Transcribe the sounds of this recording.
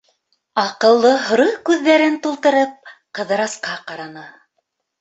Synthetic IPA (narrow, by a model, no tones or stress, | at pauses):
ɑqɤ̆lˠːɤɦŏɾɤkʉðːæɾɘnt̪ulˠt̪ɤ̆ɾɤp̚qɤ̆ðɤ̆ɾɑsqɑqɑɾɑnɤ